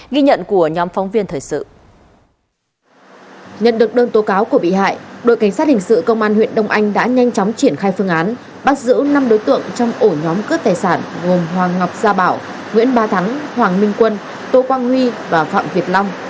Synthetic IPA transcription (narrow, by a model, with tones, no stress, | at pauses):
ɣi˧ɲə̰˧˨nku˧˩əɲɔ˨˦mfwŋ͡mvi˧ənt̪ʰəː˨˩jsɨ̰˧˨ | ɲə̰˧˨nɗɨ˨˩k̚ɗəː˧nt̪o˨˦kaː˨˦wku˧˩əɓḭ˧˨ha̰ː˧˨jɗo̰˧˨jka˧˩ŋ̟sa˦˥hi˨˩ŋ̟sɨ̰˧˨kə˧wŋ͡mʔaː˧nhwḭ˧˨ənɗə˧wŋ͡mʔa˧jŋ̟ɗa̰ː˧˥ɲa˧jŋ̟t͡ɕɔ˨˦wŋ͡mt͡ɕi˧˩ənxaː˧jfɨ˧əŋʔaː˨˦n | ɓa˦˥t̚zɨ̰˧˥na˧mɗo˨˦jt̪ɨ̰˧˨əŋt͡ɕɔ˧wŋ͡mʔo˧˩ɲɔ˨˦mkɨ˦˥ək̚t̪aː˨˩jsaː˧˩nɣo˨˩mɦwaː˨˩ŋŋa˨˩wp̚zaː˧ɓaː˧˩w | ŋwḭ˧˥ənɓaː˧t̪ʰa˨˦ŋhwaː˨˩ŋmï˧ŋ̟kwə˧n | t̪o˧kwaː˧ŋhwi˧vaː˨˩fa̰ː˧˨mvi˨˩ət̚lɔ˧wŋ͡m